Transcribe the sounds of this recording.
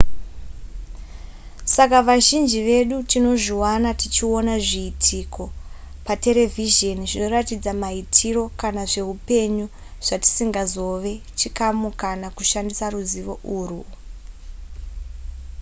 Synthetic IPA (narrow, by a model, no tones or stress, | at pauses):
sakaʋaʒind͡ʒiʋe̞ɗutino̞ʐiwanatit͡ʃio̞naʐiːtʰiko̞ | pate̞ɾe̞viʒeniʐino̞ratid͡zamaitʰiro̞kanaʐe̞ɦupe̞ɲu | ʐ̥ati̥siŋɡazo̞ʋe̞t͡ʃikamukanakuʃandisaɾuziʋo̞ʔuːru